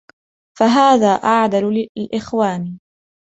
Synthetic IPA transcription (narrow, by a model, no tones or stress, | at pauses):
faɦaːðaːʔaʕd̪allʔɪxwaːni